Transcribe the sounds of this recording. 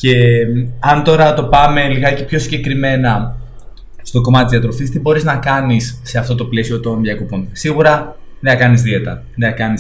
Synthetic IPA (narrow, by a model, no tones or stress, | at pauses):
ce̞ɐnt̪o̞ɾɐt̪o̞pɐme̞liɣɐcepço̞siɲɟe̞kɾime̞nɐ | st̪o̞ɡo̞mɐt̪t̪zðiɐt̪ɾo̞fist̪ibo̞ɾiznɐkɐnisːe̞ɐft̪o̞t̪o̞ple̞sio̞t̪o̞nðjɐko̞ponsiɣuɾɐ | ðeɐkɐnizðie̞t̪ɐ | ðeɐkɐnis